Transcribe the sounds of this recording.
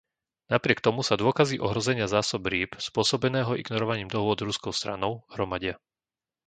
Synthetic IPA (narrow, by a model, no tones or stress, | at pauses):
napɾɪɛkt̪ɔmusad̪ʊɔkaziʔɔɦɾɔzɛɲɪazaːsɔbɾiːpspʊɔsɔbɛnɛːɦɔḭɡnɔɾɔʋaɲiːmd̪ɔɦʊɔd̪ɾuskɔʊst̪ɾa̰nɔʊɦɾɔmaɟɪa